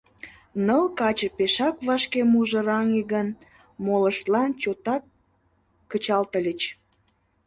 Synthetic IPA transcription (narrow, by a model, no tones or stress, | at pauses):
nəlkɑt͡ɕə̆peʃɑkβɑʃkemuʒə̆ɾɑŋeɡən | moləʃt̪lɑnt͡ɕot̪ɑkː | ət͡ɕɑlt̪əlʲət͡ɕ